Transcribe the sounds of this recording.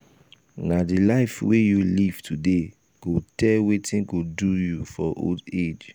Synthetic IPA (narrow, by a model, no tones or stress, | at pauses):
nadilaɪfwejuliv̥tʰude | ɡ̥otɛlwetĩnɡodujufɔʔo̰ded͡ʒ